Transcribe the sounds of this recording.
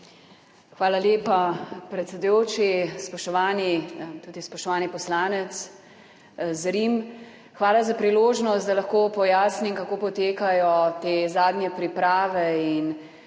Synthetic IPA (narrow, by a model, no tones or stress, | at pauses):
xʋaːlaljeːpapɾɛt̪sɛd̪ujoːt͡ʃispɔʃt̪ɔʋaːnit̪uːd̪ispɔʃt̪ɔʋaːnipɔslaːnɛt̪s | zɾim | xʋaːlazapɾiloːʒnɔst̪̚d̪alɐxkoːpɔjaːsnimkakoːpɔt̪eːkajɔt̪eːzaːd̪njɛpɾipɾaːʋɛin